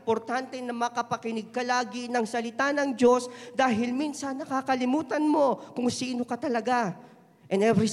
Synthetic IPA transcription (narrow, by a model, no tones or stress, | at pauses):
po̞ɾt̪ant̪ɛnɐmɐkɐpɐkɪnɪɡ̚kɐlaːɡɪnɐŋsɐlɪt̪anɐŋd͡ʒo̞sd̪aːɦɪlminsɐnɐkakɐlɪmuːt̪ɐnmo̞kʊŋsiːno̞kɐt̪ɐlɐɡa | ʔɛnɛvɾɪ